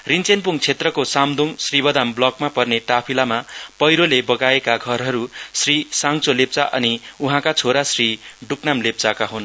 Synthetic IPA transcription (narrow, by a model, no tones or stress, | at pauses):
rint͡senpuŋt͡sʰet̪rʌkosamd̪ʱuŋsribʌd̪amblʌkmapʌrneʈapʰilamapʌjɾolebʌɡaekaɡʱʌrɦʌɾusrisaŋt͡solep̚t͡saʔʌ̰niuɦãkat͡sʰoɾasriɖuknamlep̚t͡sakaɦon